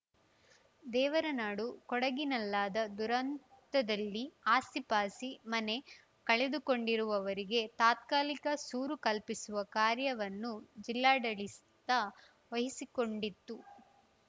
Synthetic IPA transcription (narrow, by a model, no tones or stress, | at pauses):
d̪ɛːʋɐɾɐnaːɽukɔɽɐɡinɐlːaːd̪ɐd̪uɾɐnt̪ɐd̪ɐlːiaːsipaːsimɐne̞ | kɐɭed̪uko̞ɳɖiɾuʋɐʋɐɾiɡe̞t̪aːt̪̚kaːlikɐsuːɾukɐlpisuʋɐkaːɾjɐʋɐnːud͡ʒilːaːɖɐɭist̪ɐ | ʋɐɦisikoɳɖit̪ːu